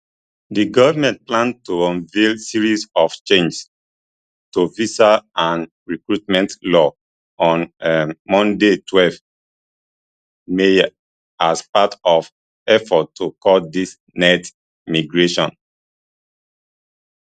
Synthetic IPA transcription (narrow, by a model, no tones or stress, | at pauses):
diɡɔvamɛ̃nt̚plãntũvelsiɹisɔft͡ʃẽnd͡ʒs | tovisaãn | ɹikɹutmɛ̃ntlɔ | ɔ̃nmɔ̃ndetʰwɛlv | me | aspatɔv | ɛfɔttʰːukɔldis | nɛt | miɡɹeʃɔ̃n